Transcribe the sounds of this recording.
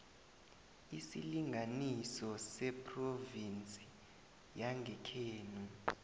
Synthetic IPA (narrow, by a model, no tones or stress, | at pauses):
isiliŋʱanisɔsɛpʼrovint͡sʼi̥ | jaŋɡʱɛkʰeːnu